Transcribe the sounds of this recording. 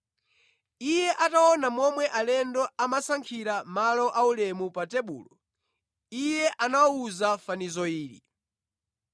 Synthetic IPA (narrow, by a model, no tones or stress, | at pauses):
ijɛʔataɔnamɔmwɛʔalɛndɔamasaŋkʰiɾamalɔʔaulɛmupatɛɓṵːlɔ | ijɛʔanauzafanizɔiːɾḭ